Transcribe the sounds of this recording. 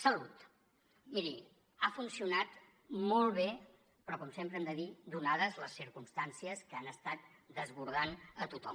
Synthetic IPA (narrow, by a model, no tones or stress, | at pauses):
səlut̪ | miɾi | afunsiunat̪ | mɔlˠβ̞e | pɾɔkɔmsempɾəɛmd̪əðid̪unaðəzləsːiɾkumst̪ansiəskəanəst̪at̪̚ | d̪əzβuɾð̞anət̪ut̪ɔm